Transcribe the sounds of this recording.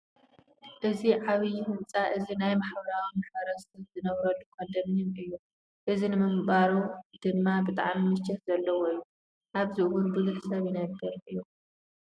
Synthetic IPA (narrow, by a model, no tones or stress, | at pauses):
ʔɨziʕaβijhɨnt͡sʼaʔɨzinajmaħbɐɾawimaħbɐɾɐsɐzɨnɐβɾɐlːukʰɐd̪ɐmjimɨjːu | ʔɨzinɨmɨmbaɾud̪̥ɨnːabɨt̪ʼa̰ʕmimɨt͡ʃːɛt̪zɐlːɐwoɨjːu | ʔaβziʔwʊnbɨzuħsɐβjinajbɐɾɨjːu